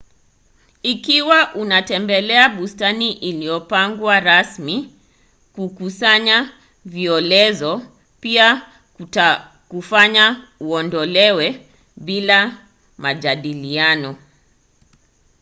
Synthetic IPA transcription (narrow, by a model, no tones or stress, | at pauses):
ikiwaʔunatɛmbɛlɛaɓustaniʔiliɔpaŋɡwaɾasmi | kukusaɲa | viɔlɛzɔ | pia | kufaɲauɔndɔlɛwɛ | ɓila | maʄaɗilianɔ